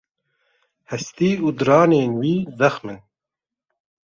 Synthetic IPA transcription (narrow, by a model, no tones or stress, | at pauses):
hɛst̪iːuːd̪ɨɾɑːneːnwiːzɛxmɨn